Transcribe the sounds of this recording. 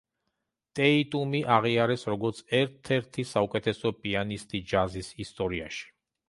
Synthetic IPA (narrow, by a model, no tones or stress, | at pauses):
t̪ʼɛit̪ʼumiʔaʁiaɾɛsɾɔɡɔɾt̪sʰɛɾt̪ʰɛɾt̪ʰisaukʼɛt̪ʰɛsɔpʼianist̪ʼid͡ʒazisist̪ʼɔɾia̰ʃi̥